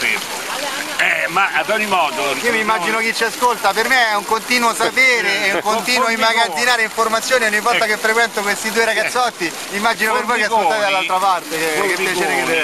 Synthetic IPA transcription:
e | ɛmaabɔɾimɔːd̪oiːomimːad͡ʒinok̟it͡ʃːiaskolt̪apermeɛuŋkont̪iːnwosapeːɾeɛuŋkont̪iːnwoimːaɡad̪zinaːɾeiɱformat̪sːjoːniɔɲːivːɔlt̪akefːɾekwɛnt̪okwest̪id̪uːeɾaɡat̪sːɔt̪ːi | mimːad͡ʒinopervojkeaskolt̪aːt̪ed̪alːalt̪ɾapart̪ekeppjat͡ʃeːɾeke

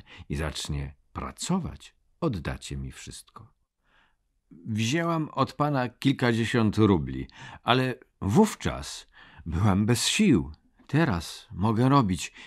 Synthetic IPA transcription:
iza̰t͡ʂɲɛpɾa̰t̪sɔva̰t͡ɕ | ɔd̪ːa̰t͡ɕɛmʲifʂɘst̪̚kɔ̥ | vʲiʑawamɔt̪panakʲilkad͡ʑeɕɔnt̪ɾublʲḭalɛvuft͡ʂa̰s | bɘwambɛsɕiw | t̪ɛɾasmɔɡɛɾɔbʲit͡ɕ

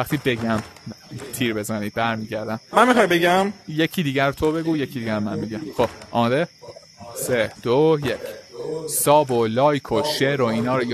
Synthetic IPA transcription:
væχt̪ʰiːbe̞ɟæmt̪ʰiːɾbe̞zænid̪̚bæɾmiːɟæɾd̪æmmænmiχɒːjbeɟæmjecʰiːd̪iːɟæɾot̪ʰo̞be̞ɡuːjecʰid̪iːɟæɾomænmiɡæmxob̥ʔɒ̰mːd̪e | sed̪̥ojecʰsɒːbolɒːjkʰoʃeɾo̞iːnɒːɾoj

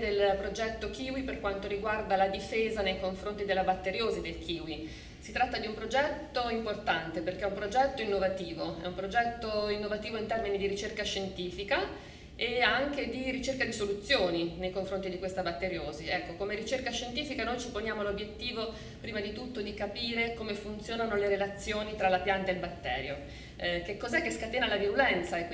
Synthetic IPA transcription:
d̪elpɾod͡ʒɛt̪ːokʰiːwiperkwant̪oɾiɡward̪alad̪ifeːzanejkoɱfɾont̪id̪elːabat̪ːeɾjoːzid̪elk̟ʰiːwi | sit̪ɾat̪ːad̪iumpɾod͡ʒɛt̪ːoimport̪ant̪eperkeɛumpɾod͡ʒɛt̪ːoinːovat̪iːvoɛ̰umpɾod͡ʒɛt̪ːoinːovat̪iːvoint̪ɛrminid̪iɾit͡ʃerkaʃent̪iːfika | eaŋked̪irit͡ʃerkad̪isolut̪sːjoːninejkoɱfɾont̪id̪ikwest̪abat̪ːeɾjoːziɛkːokomeɾit͡ʃerkaʃːent̪iːfikanojt͡ʃiponjaːmolobːjet̪ːiːvo | pɾiːmad̪it̪ut̪ːod̪ikapiːɾekomefunt̪sjoːnanoleɾelat̪sːjoːnit̪ɾalapjant̪aelbat̪ːɛ̰ːɾjo | kekːozɛkːeskat̪eːnalaviɾulɛnt̪saekːi

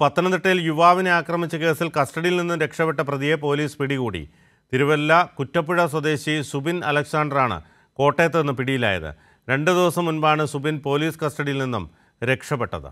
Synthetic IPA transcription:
pɐt̪ːɐnɐmd̪iʈːɐjiljuʋaːʋineaːkrɐmit͡ɕːɐke̞ːsilkɐsʈɐɽijilninːumɾe̞kʂɐpeʈːɐprɐðijepo̞ːliːspiɽikuːɽḭ | t̪iɾuʋɐlːɐkutːɐpːiɻɐswɐd̪e̞ːɕisubinɐ̰lɐksaːɳɖɐraːɳɨ̰ | ko̞ːʈːe̞ːt̪ːenːɨpiɽijila̰ːjɐ̰ðɨ̰ | ɾe̞ɳɖɨd̪iʋɐsɐmːunbaːɳɨsubinpo̞ːliːskɐsʈɐɽijilninːum | ɾe̞kʂɐpeʈːɐ̰ðɨ̰

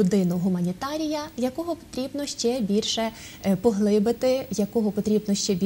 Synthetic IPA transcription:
ʊd̪ɪnʊɦʊmɐnʲit̪ɑɾʲijɐjɐkɔɦɔpɔ̥t̪ɾʲibnɔʃt͡ʃɛbʲilʲʃɛ | pɔɦlˠɪbɪt̪ɪjɐkɔɦɔpɔt̪ɾʲibnɔʃt͡ʃɛbʲ

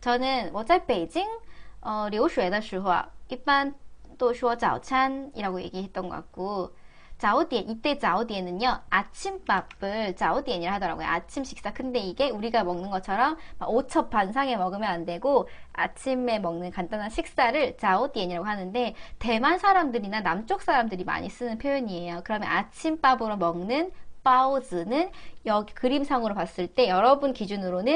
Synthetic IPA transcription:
t͡ɕʌnɯnwʌt͡ɕ͈aɭp͈e̞d͡ʑiŋʌɾioɕʰue̞daɕʰuɦa̰iɭt͈ant͈oɕʰuʌt͡ɕa̰o̰t͡ɕʰanḭɾaɡoje̞̰ɡiɦe̞t̚t͈ʌnɡʌk͈a̰k̚k͈o | t͡ɕaodieʔit͈e̞t͡ɕaodienɯɲʌat͡ɕʰimpab̥ɯɭt͡ɕaodieɲiɾɯɭɦadʌɾa̰ɡojo̰at͡ɕʰimɕʰi̥k̚s͈akɯnde̞iɡe̞uɾiɡamʌŋnɯnɡʌt͡ɕʰʌɾʌmːa̰ot͡ɕʰʌp͈ːansʰaŋe̞mʌɡɯmjʌnande̞ɡoa̰t͡ɕʰime̞mʌŋnɯnkandanɦanɕʰik̚s͈aɾɯɭt͡ɕaodijeɲiɾaɡoɦanɯnde̞te̞mansʰaɾamdɯɾinanamt͡ɕ͈ok̚s͈aɾamdɯɾima̰ɲis͈ɯnɯnpʰjojʌɲie̞jokɯɾʌmjʌ̰nat͡ɕʰimp͈abɯɾomʌŋnɯnp͈aod͡ʑɯnɯnjʌɡikɯɾimsʰaŋɯɾopas͈ɯɭt͈e̞jʌɾʌbunkid͡ʑunɯɾonɯn

